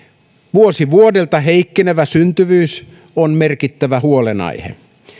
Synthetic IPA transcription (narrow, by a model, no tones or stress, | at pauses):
ʋuosiʋuodelt̪ɑɦeikːeneʋæsynt̪yʋyːs | onme̞rkit̪ːæʋæhuolenɑ̰jhḛ